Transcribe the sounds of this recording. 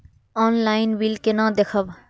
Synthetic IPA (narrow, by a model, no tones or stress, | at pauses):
ɔːnlaːɪnbilkenãːd̪ekʰəb